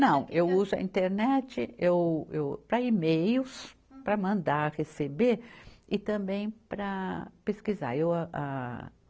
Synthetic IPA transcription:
nɐ̃w̃ʔewuzʊɐ̰ĩt̪eɾnɛt͡ʃɪewewpɾɐimejʊs | pɾɐmɐ̃nd̪aɾʁesebeɪt̪ɐ̃mbẽj̃pɾɐpeskiza̰ewaʔa

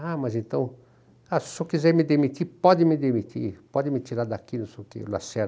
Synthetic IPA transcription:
amɐzẽnt̪ɐ̃w̃ | asekizɛɾmɪd̪emit̪ipɔd̪ɪmɪd̪emit̪ʰḭɾpɔd̪ɪmɪt͡ʃ̪iɾad̪akinʊsokḛla̰sɛɾ

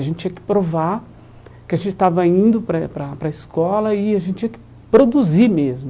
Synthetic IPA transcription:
ʒẽt̪ɪt͡ʃĩɲɐkɪ̥pɾovaɾ | kɪɐʒẽnt͡ʃɪ̥t̪avɐĩnd̪ʊpɾɐpɾɐpɾɐɪskɔlɐɪaʒẽt̪ɪt͡ʃĩɐkɪ̥ | pɾod̪uzimezmʊ

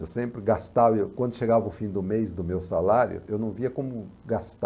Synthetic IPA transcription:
ewsẽmpɾɪɡast̪avɐewkwɐ̃nd̪ʊʃeɡavɐʊfĩd̪ʊmejzd̪ʊmewsalaɾjʊ̰ʔewnɐ̃w̃viɐkõmʊɡast̪a

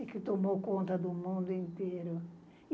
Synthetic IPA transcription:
ikɪt̪omowkõnt̪ɐd̪ʊmũnd̪ʊĩnt̪eɾʊ

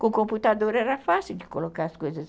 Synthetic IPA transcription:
kũkõmput̪ad̪oɾɛɾafasild͡ʒɪkolokaɾɐskojzɐs

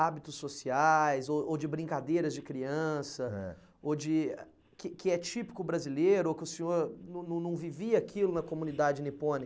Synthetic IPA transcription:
abit̪ʊsːosiajzoowd͡ʒɪbɾĩŋkad̪ejɾɐzd͡ʒɪkɾiɐ̃sɐɛ | od͡ʒɪ | kɪkɪɛt͡ʃipi̥kʊbɾɐzilejɾʊokɪʊsẽoɾnɐ̃w̃nɐ̃w̃nɐ̃w̃viviɐakʰilʊnɐkomũnid̪ad͡ʒɪnipõnɐ

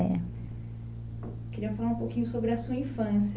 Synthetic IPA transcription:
ɛ | keɾiɐfalaɾũpowkĩɲʊsobɾɪɐsuɐĩfɐ̃sj

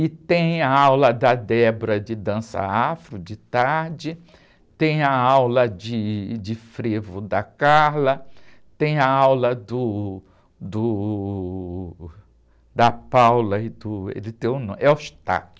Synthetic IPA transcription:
ɪt̪ẽj̃ɐawlɐd̪ɐd̪ɛbɾɐd͡ʒɪd̪ɐ̃sɐ̰afɾʊd͡ʒɪt̪aɾd͡ʒɪ | t̪ẽj̃ɐawlɐd͡ʒɪd͡ʒɪfɾevʊd̪ɐkaɾlɐt̪ẽj̃ɐawlɐd̪ʊ | d̪ʊ | d̪ɐpawlɐid̪ʊḛlɪt̪ẽj̃ʊnõʔɛoʃt̪a̰k

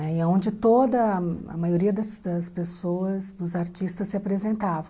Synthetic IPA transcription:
ɛiaõnd͡ʒɪt̪od̪ɐɐ̰majoɾiɐd̪ɐsd̪ɐspesowɐzd̪ʊzaɾt͡ʃist̪ɐsːɪapɾezẽnt̪avɐ̃

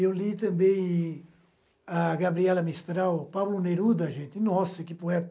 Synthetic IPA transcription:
ewlit̪ɐ̃mbẽj̃ | ɐɡabɾiɛlɐmist̪ɾawpablʊneɾud̪ɐʒẽnt̪ɪnɔsɐkɪpoɛt̪

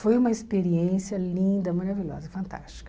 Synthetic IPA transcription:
fojũmɐispeɾiẽsiɐlĩnd̪ɐmaɾaviʎɔ̰zɐifɐ̃nt̪a̰st͡ʃi̥kɐ

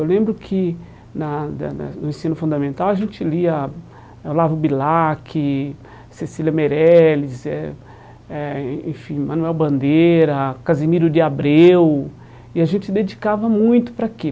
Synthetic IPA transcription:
ewlẽmbɾʊkʰɪ | nɐd̪ɐnʊẽsĩnʊfũnd̪amẽnt̪awɐʒẽnt͡ʃɪliɐ | olavʊbilakʰɪ | sesiliɐmeɾɛlɪsɛ | ɛḛ̃fĩmɐ̃nuɛwbɐ̃nd̪eɾɐkazimiɾʊd͡ʒɪabɾew | ɪaʒẽnt͡ʃɪd̪ed͡ʒikavɐmũj̃t̪ʊ̥pɾɐki

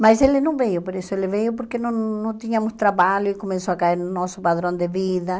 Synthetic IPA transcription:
maselɪnɐ̃w̃vejʊpoɾesʊelɪvejʊp̬oɾkenõw̃nõt̪iɲɐmʊst̪ɾaβaʎʊɪkomẽsoakaeɾnʊnɔsʊpaðɾõnd̪ɪviðɐ

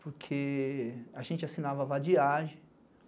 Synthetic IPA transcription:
poɾkʰe | aʒẽnt͡ʃɪasinavɐvad͡ʒiaʒẽ

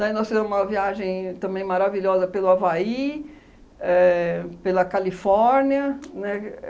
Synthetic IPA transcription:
d̪̥ainɔsfizɐ̃mʊzzũmɐviaʒẽj̃t̪ɐ̃mbẽj̃maɾaviʎɔzɐpelʊavai | ɛpelɐkalifɔɾniɐnɛ

